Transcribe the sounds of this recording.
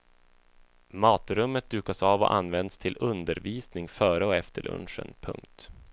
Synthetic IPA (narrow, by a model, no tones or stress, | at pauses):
mɑːt̪ɾɵmːət̪̚d̪ʉ̟ːkasɑːvɔ̰ʔa̰nvɛnd̪st̪ʰɪlɵnd̪əɾviːsnɪŋfœːɾəɔɛft̪ʰəɭʔɵ̰nʂə̰npʰɵ̰ŋk̚t̪